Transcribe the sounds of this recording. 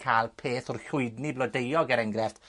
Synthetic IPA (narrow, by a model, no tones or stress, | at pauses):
kʰalˠpʰeːθʊrɬʊɨdniblˠɔdejɔɡɛɾɛŋɡrɛft